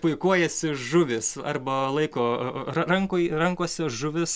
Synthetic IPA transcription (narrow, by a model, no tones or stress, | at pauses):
pʊɪkuɔjɛsʲɪʒʊʋʲɪsɐ̰rbɐlˠɐɪkoːɐrɐŋkʊɪrɐŋkuɔsʲɪʒʊʋʲɪs